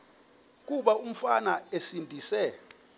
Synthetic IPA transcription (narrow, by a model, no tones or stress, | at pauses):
k̬uɓaum̩fanaesindʱisɛ